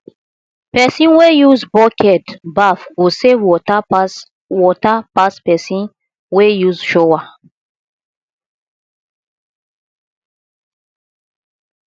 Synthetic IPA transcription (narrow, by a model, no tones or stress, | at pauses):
pɛsĩnwejuzbɔkɛtbafɡosewɔ | wɔtapaspɛsĩn | wejuzʃowa